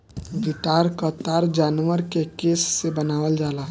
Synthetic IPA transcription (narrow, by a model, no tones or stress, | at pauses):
ɡɪt̪aːɾkət̪aːɾd͡ʒaːnʋəɾkekeːsːebənaːʋəld͡ʒaːlaː